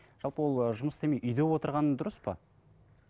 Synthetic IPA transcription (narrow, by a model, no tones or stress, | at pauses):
ʒ̥ɑlˠpəwo̞lˠʒʊməst̪emejʔʏjd̪e̞wo̞t̪əɾʁɑnəd̪ʊɾəspə̰